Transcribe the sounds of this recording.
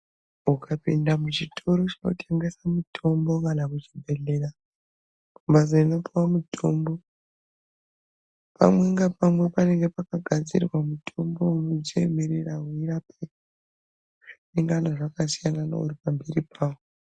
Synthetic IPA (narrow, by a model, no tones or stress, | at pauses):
ukʰapindamut͡ʃitʰo̞ɾot͡ʃanotʰe̞ŋɡe̞samutʰo̞mbo̞ŋkɡanakut͡ʃibʱe̞ɮe̞ra | kumbazaino̞piwamutʰo̞mbo̞ | pa̰mwe̞ŋɡapamwe̞pane̞ŋɡe̞pakaɡʱad͡zḭrwamutʰo̞mbo̞unot͡ʃieme̞ɾerauiɾape | ʐ̥ineŋɡanaʐakasijanana̰uɾipambeɾipʰaːwo